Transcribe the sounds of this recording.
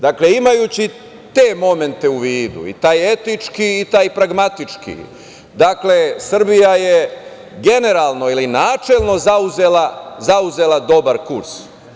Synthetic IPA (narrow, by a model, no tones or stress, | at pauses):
d̪akle̞imajuːt͡ɕi | t̪e̞ːmo̞me̞nt̪e̞uʋiːd̪ṵḭt̪aːje̞t̪it͡ʃkiːt̪aːjpɾaɡmat̪it͡ʂkḭ | d̪akle̞sr̩bijaje | ɡe̞ne̞ɾaːlˠno̞ilinaːt͡ʃe̞lˠno̞zauze̞lazauze̞lˠad̪o̞baɾkuɾs